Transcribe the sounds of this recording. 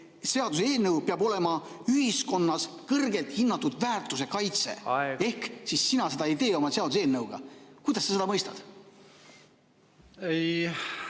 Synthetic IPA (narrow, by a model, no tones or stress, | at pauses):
se̞ɑd̪useeːlnəwpeɑbo̞le̞mɑ | yɦisko̞nːɑskɤrɡe̞lt̪hinːɑt̪ːud̪̥væːrt̪ːˑuse̞kɑjt̪se̞̰e̞hksisːinɑse̞d̪ɑijd̪e̞ːo̞mɑse̞ɑd̪use̞ːlnɤwɡ̥ɑ̰kujd̪̥ɑsːɑsed̪ɑmɤjst̪ɑ̰d̪̥ | ej